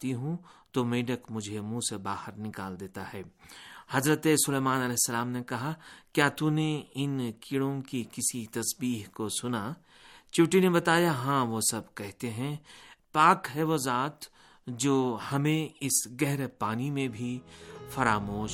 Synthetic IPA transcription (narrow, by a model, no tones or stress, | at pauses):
t̪iɦũt̪omeːɖəkmʊd͡ʒʱemũːsebaːhəɾnɪkaːld̪eːt̪aɦɛːhɐzɾət̪esʊleːmaːnɐlɛːɦsːɐlaːmnekɐɦakjaːt̪uneɪnkɪɽõkikɪsit̪ɐsbiːɦkosʊna | t͡ʃuːʈinebɐt̪aːjaɦãːʋosɐbkɛɦt̪eɦɛ̃paːkɦɛʋozaːt̪ | d͡ʒoːhɐmẽɪsɡɛɦɾepaːnimẽbʱifɐɾaːmoːʃ